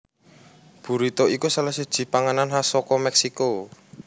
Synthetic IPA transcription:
b̥ṳɾit̪ɔʔikusalahsid̥ʒ̥i̤paŋananɦasɔkɔmɛksiko

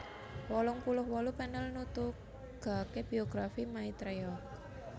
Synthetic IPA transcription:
wɔlɔŋpulʊhwɔlupɛnəlnut̪u | ɡ̥a̤keb̥i̤oɡ̥ɾafimait̪ɾeɔk

